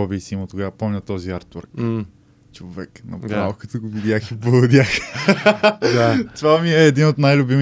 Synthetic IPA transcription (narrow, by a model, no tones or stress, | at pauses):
ɔbisimot̪oɡapɔmnʲɐt̪ɔziaɾt̪o̰ɾk | t͡ʃovɛknɐ̰pɾalkət̪oɡovid̪ʲjaxipood̪ʲjax | d̪at̪ovamiɛːd̪inot̪najlʲʊbimi